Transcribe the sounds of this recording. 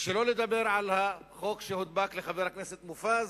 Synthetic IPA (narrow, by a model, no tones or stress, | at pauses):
ʃelo̞led̪abeʁʕalhaχo̞kʃehod̪bakleχaveʁhakneset̪mufaz